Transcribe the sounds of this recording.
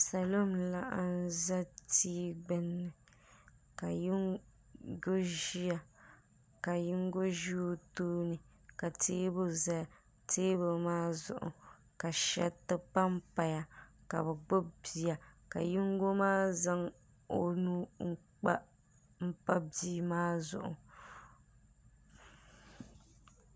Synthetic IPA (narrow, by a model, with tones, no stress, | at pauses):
sa˨lo˦˨mla˦ʔa˦n˦za˦tiː˦ɡ͡bɨ˦nːɨ˨ | ka˨ji˦ŋ | ɡo˦ʒi˦ja˨ | ka˨jɪ˦ŋɡo˦ʒu˦toː˦nɨ˨ | ka˨teː˦bo˦za˦a˨ | teː˦bo˨maː˦zʊ̰˦˨ʔʊ̰˨ | ka˨ʃɛ˦tɨ˦pa˦m̩˦pa˨ja˨ka˨βɛ˨ɡ͡bo˦bi˨ja˨ka˨ji˦ŋɡo˦maː˦za˦ŋ | o˨nuː˦ŋ͡m̩˦k͡pa˦ | m̩˦pa˦biː˦maː˦zʊ̰˨ʔʊ̰˨